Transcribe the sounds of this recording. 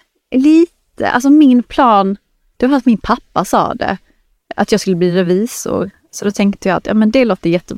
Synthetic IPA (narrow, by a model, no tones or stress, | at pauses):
liːt̪ʰə̰ʔa̰lsɔmɪnpʰlɑːn | d̪̥ɛvafat̪mɪnpʰapːasɑ̰ːd̪ɛ̰ | at̪jɑɡskɵlːəbliːɾɛviːsʊ̰ɾ | sɔd̪ɔt̪ʰɛŋkt̪əjɑːa̰t̪jɑ̰ːmɛnd̪ɛloːt̪ːəjɛt̪ːəb